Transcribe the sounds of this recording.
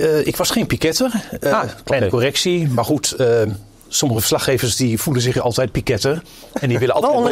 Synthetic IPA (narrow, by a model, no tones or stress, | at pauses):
ɪkʋɑsχejnpikɪtərklɛjnəkorɛksimarχutə | soməχəfə̥rslaxeːvərsdifulˠənszɪxɑ̰lˠtɛjt̚pikɪtər | ɛndiʋɪləɑ̰lˠ